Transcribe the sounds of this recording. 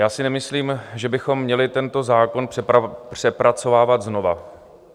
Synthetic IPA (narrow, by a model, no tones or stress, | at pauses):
jaːsɪnɛmɪsliːmʒɛbɪxo̞mːɲɛlɪt̪ɛnt̪o̞zaːko̞npr̥ɛapr̝̥ɛpɾat͡so̞vaːvad̪zno̞va̰